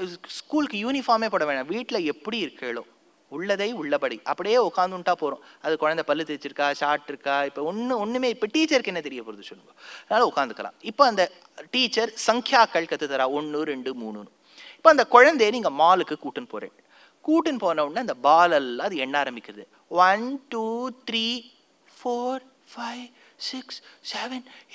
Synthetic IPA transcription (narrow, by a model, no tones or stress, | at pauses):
skuːlkːɯjuːnɪfaːɾmeːpoːɽɐʋẽːɳãːʋiːʈːɪlɐɛpːɐɽiɪɾɯkːeːɭõ | ʊɭːɐðɐɪʊɭːɐpɐɽiʔɐpːɐɽɪjeːʊkːaːnd̪ɯnʈːaːpoːɾʊ̃ɐðɯkːɔɻɐnd̪ɐpɐlːɯt̪ɪɾɪt͡ʃːɪɾɯkːaːsaːɾʈːɪɾɯkːaːɪpːoɔnːɯɔnːɯmeːɪpːɐʈiːt͡ʃɐɾkɛnːɐt̪ɛɾɪjɐpoːɾɐðɯsɔlːɯŋɡɐɐðnaːlɐʊkːaːnd̪ɯkːɐlã̰ːɪpːoːɐnd̪ɐ | ʈiːt͡ʃːɐɾsɐŋkʰjaːkːɐɭkɐt̪ːɯt̪ːɐɾaːɔɳːɯɾɛɳɖɯmuːnɯnɯ | ɪpːoːɐnd̪ɐkɔɻɐnd̪eːniːŋɡɐmaːlɯkːɯkuːʈːɯnpo̰ːɾḛ̃ː | kuːʈːɯnpoːnɐʋɐnːaːɐnd̪ɐbaːlɐlːãːɐðɯɛnːɐaːɾɐmbɪkʲːɪɾɐðɯ | ʋɐnʈuːt̪ɾiː | foːɾ | fɐɪʋ | sɪkssɛʋɛn